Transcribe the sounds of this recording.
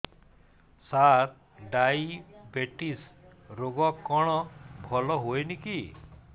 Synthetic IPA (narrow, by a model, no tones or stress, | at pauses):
sat̪ | ɖajbeʈisɾoɡɔkɔɽ̃ɔbʱɔlɔɦojniki